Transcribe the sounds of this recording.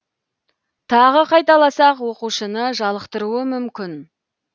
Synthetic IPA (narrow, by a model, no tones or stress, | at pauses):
t̪ʰɑʁəqʰɑjt̪ɑlˠɑsɑqwo̞quʃənəʒɑlˠəqt̪əɾuəmʏmkʲɪn